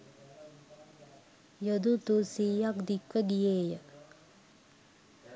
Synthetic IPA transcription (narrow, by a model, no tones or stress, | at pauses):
jod̪ut̪usiːjakd̪ikʋəɡijeːjə